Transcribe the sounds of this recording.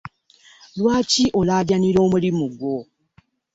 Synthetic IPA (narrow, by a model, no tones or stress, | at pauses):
lwaːciʔolaːɟaniɾo̞ːmulimuɡwo̞